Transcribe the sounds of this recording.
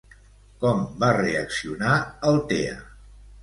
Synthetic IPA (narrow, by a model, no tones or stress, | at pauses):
kɔmbareəksiunaəlˠt̪eə̰